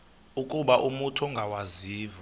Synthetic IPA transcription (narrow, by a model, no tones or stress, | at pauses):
ukʼuɓaʔumutʰɔŋɡʱawaziːvɔ